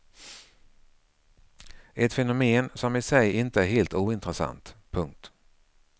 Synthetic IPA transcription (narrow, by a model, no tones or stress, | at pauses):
ɛt̪fɛnʊmeːnsɔmɪsɛjɪnt̪əæɾheːlt̪uːɪnt̪ɾɛsa̰nt̪pʰɵŋk̚t̪